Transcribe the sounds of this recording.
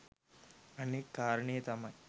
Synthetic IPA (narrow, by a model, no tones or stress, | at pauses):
ənekːaɾɳijət̪amã